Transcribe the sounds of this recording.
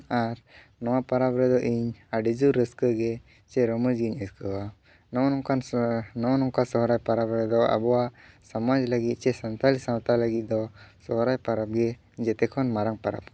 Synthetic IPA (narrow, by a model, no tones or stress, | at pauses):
aɾ | nɔwapaɾapɾɛd̪ɔʔiɲaɖid͡ʒuɾːəskəɡɛ | t͡ʃɛɾɔməd͡ʒɡiɲəskəwa | nɔnɔkannɔnɔŋkasɔɦɾajpaɾabɾɛd̪ɔa̰bɔwasamad͡ʒləɡit̪̚ˀt͡ʃɛsant̪alisawt̪aləɡit̪̚d̪ɔsɔɦɾajpaɾap̚ɡɛ | d͡ʒɛt̪ɛkʰɔnmaɾaŋpaɾa̰p̚